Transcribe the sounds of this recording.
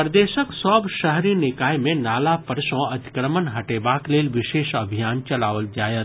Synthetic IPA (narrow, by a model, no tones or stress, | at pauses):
pəɾd̪eːʃəksɔːbʃɐɦɾinɪkaːjmẽnaːlapɐɾʃõɐd̪ɪ̥kɾəmənɦɐʈeːbaːkleːlʋɪʃeːʃɐbʱijaːnt͡ʃɐlaːʋəld͡ʒaːjət̪